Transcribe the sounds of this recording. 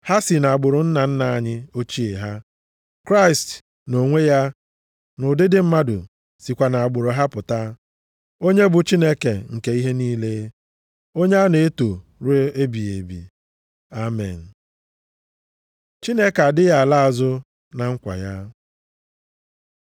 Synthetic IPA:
ha˦si˨na˨a˨ɡ͡bʊ˨ɾʊ˨n̩˦na˨n̩˦na˨a˦ɲɪ˦o˦t͡ʃi˦e˨ɦa˦ | kɾa˦i˨st | no˨ŋʷe˦ja˦ | nʊ˨dɪ˦dɪ˦m̩˦ma˦dʊ̰˨ | si˨kʷa˨na˨a˨ɡ͡bʊ˨ɾo˨ɦa˦pʊ˨ta˦ | o˦ɲe˦bʊ˨t͡ʃi˦ne˦ke˨ŋ̩˨ke˨i˦ɦe˦niː˦le˦ | o˦ɲe˦a˦ne˨e˦to˨ɾe˦e˦bi˨ḛ˨bḭ˨ | a˦mḛ˨n̩˨ | t͡ʃi˦ne˦ka˨dɪ˦ja˦˨a˨la˦a˨zʊ˦ | na˨ŋ̩˦kʷa̰˨ja˦

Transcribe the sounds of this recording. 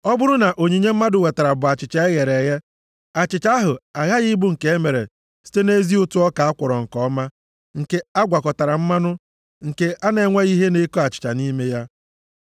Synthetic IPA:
ɔ˦bʊ˦ɾʊ˦na˨ʔo˨ɲe˨ɲe˦m̩˦ma˦dʊ˨we˨ta˨ɾa˨bʊ˨a˨t͡ʃɪ˨t͡ʃa˨e˦ɣe˨ɾe˨ɣe˦ | a˨t͡ʃɪ˨t͡ʃa˦a˦ɦʊ˨a˨ɣa˦ɣɪ˦bʊ˦ŋ̩˨ke˨˦e˦me˨ɾḛ˨ | si̥˦te˦ne˦zi˦ʊ˦tu˦ɔ˦ka˨a˦kʷɔ˨ɾɔ˨ŋ̩˨kɔ˦ma˦ | ŋ̩˨ke˨a˦ɡʷa˨kɔ˨ta˨ɾa˨m̩˦ma˦nʊ˦ | ŋ̩˨ke˨ʔa˦ne˨˦ŋʷe˦ɣi˦ɦe˦ne˦kɔ˦a˨t͡ʃɪ̥˨t͡ʃa̰˨ni˦me˦ja˦

